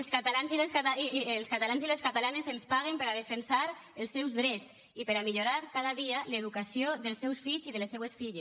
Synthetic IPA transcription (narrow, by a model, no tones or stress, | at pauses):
əlskat̪alanzilesat̪lˠskat̪alanzileskat̪alanezenspaɣ̞empəɾaðəfensaɾ | əlˠsːɛwzðɾɛt͡s | ipəɾamiʎuɾaɾkaðəðialeðukasioðəlˠsːɛwsfiʎziðəlesɛwesfiʎes